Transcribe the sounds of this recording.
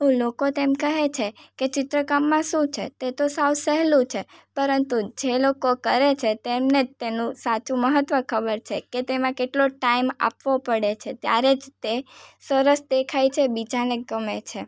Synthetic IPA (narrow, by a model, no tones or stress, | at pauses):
ɦulokot̪emkəɦet͡ʃʰeket͡ʃɪt̪ɾəkamːãʃũt͡ʃʰḛt̪et̪osawsəɦlũt͡ʃʰepəɾənt̪ud͡ʒelokokəɾet͡ʃʰet̪emnet̪enũsat͡ʃũməɦət̪ʋəkʰəbəɾt͡ʃʰeket̪emãkeʈloʈaima̰pʋopəɽet͡ʃʰet̪ja̰ɾed͡ʒt̪esəɾəsd̪ekʰajt͡ʃʰebid͡ʒaneɡəmet͡ʃʰe